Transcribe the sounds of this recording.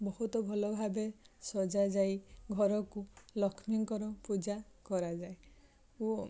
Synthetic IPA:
bɔɦut̪ɔbʱɔlɔbʱabesɔd͡ʒad͡ʒajɡʱɔɾɔkulɔkʰmiŋkɔɾɔpud͡ʒakɔɾad͡ʒae | uɔ

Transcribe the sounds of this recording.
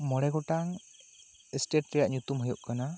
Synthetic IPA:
mɔɽɛɡɔʈaŋ | ɛsʈeʈɾɛjaʔɲut̪umɦɔjuʔkana

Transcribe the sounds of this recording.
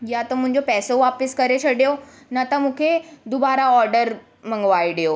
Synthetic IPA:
jat̪om̤ə̃ɳd͡ʑopɛsoʋapiskəɾet͡ɕʰəɽjo | nat̪əmukʰed̪ubaɾaɔɾɖəɾ | m̤ə̃ŋɡʋajɽjo

